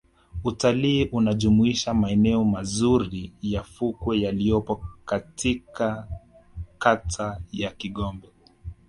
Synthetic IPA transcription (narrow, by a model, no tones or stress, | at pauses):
utaliːʔunaʄumuiʃamaɛnɛɔmazuɾijafukwɛjalijɔpɔkatika | katʰajakiɠɔmbɛ